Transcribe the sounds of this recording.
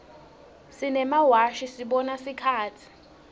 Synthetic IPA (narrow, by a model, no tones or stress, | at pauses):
sinɛmawaʃisiɓɔnasikʰaːtʰi̥